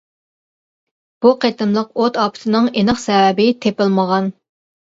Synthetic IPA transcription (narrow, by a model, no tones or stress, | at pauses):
b̥uqʰet̪ɨmlˠəqot̪ɑːpʰɪ̥t̪ʰɨnɨŋenəχsɛvɛbɪt̪ʰepɪlməʁɑn